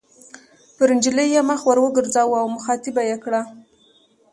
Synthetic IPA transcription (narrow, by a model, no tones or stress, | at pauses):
pəɾɪnd͡ʒiləjːemaxwaɾwəɡəɾd͡zɑwuawmʊxɑt̪ɪbajekɽa